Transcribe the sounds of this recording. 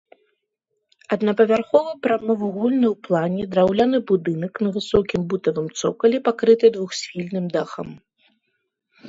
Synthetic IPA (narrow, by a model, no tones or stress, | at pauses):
ɐd̪nɐpɐvʲarxɔvɨjpɾamɔvɐɣulʲnɐjwplˠanʲɛd̪ɾawlʲanɨbud̪ɨnɐknɐvɨsɔkʲimbut̪ɐvɨmt̪sɔ̰kɐlʲipakɾɨt̪ɨd̪vuxsʲfʲilʲnɨmd̪axɐ̰m